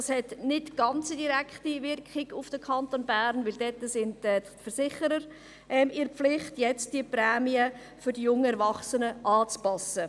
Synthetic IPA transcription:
shɛtnɪtɡ̥ɑnt͡sidiɾækχtivɪrkχɪɡ̥ʊfd̥əkʰɑntonbæɾnvʋɪldɛtːəsɪntɛ | fəɾsɪχəɾəɾ | ʔɛmɪɾflɪχtjɛt͡st̚d̥iəprɛːmiə | fʏɾdijʊŋəɛɾvɑχsənəʔɑːt͡spɑsə

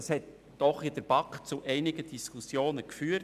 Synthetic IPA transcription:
ɑshɛt | d̥ɔχid̥əɾb̥ɑkχt͡suʔɛɪnɪɡədiskusjoːnəkfyːə

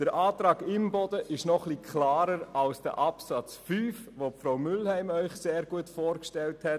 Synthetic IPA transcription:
d̥əɾʔɑːtɾɑːɡɪmbɔdəʔɪʃnɔχlikʰχlaːɾəɾɑlsd̥ə̰ʔɑpsɑt͡sfyːfʋopfɾaʊmʏlhæɪmœʏχseːɾɡ̥uətfɔːɾkʃtɛlthɛt

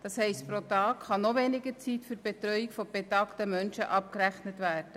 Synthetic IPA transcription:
d̥ɑshɛɪstpɾotɑːkχɑnoʋeːnɪɡət͡siːtfyɾb̥etɾœʏikfɔb̥etɑːktəmœnʃəʔɑp̚kɾæχnətʋæːrd̥ə

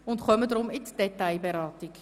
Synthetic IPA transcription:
ʊntχʰœmədɾʊmɪtd̥etajbəɾɑːtɪk

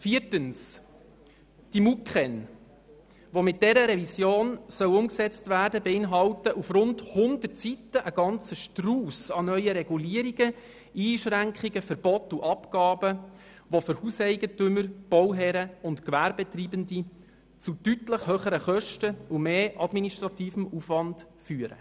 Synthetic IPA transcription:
fiːətəns | d̥imukχɛn | ʋomɪt̚d̥ɛɾəɾɛvisjoːnsœwʊmksɛt͡stvæːrdəbɛɪnɦɑwtəʔufɾʊndhʊndətsitəʔəɡ̥ɑnt͡səʃtruːsɑnœʏəɾɛɡuliːəɾiɡə | iːʃɾæŋkχiɡəfəɾb̥ɔtːuʔɑpkɑːbə | ʋoføɾhuːsɛɪɡətʏməɾb̥ɔwɦɛɾəʊntkʋæːɾbɛt̪riːbəndi | t͡sutytləχhøːχəɾəχœʃtəumeːʔɑd̥miniʃtɾɑt̪iːfəmufvɑnd̥ | fyːəɾə̰

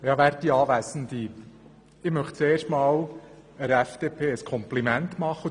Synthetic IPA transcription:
jɑʋæːɾtːiɑːʋæsən̩d̪i | ɪmœχt̚t͡seːrʃtmɑːl | əɾɛfd̥̪epʰeːəskʰɔmplimæntmɑχːə

